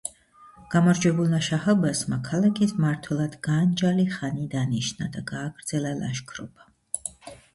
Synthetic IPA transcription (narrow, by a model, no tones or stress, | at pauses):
ɡ̥amɔɾd͡ʒwɛbulˠmaʃahalbasmakʰalakʰismaɾt̪ʰwɛlˠad̪̥ɡand͡ʒaliχanid̪aniʃnad̪aɡaːɡɾd̪zɛlala̰ʃkʰɾɔb̥a